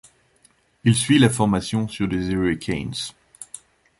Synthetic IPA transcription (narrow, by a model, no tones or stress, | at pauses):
ilsɥilafɔʁmasjɔ̃syʁd̪ezeekʲʰɛns